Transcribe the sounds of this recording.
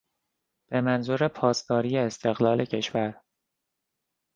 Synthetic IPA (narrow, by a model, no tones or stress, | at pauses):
b̥e̞mænzuɾe̞pʰɒːsd̪ɒːɾiːjeːst̪ʰe̞ɣlɒːlʔe̞cʰe̞ʃvæɾ